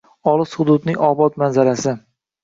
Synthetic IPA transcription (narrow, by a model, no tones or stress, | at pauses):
ɒlˠɨshʊd̪ʊd̪nɪŋʲɒbɒt̪manzaɾasɪ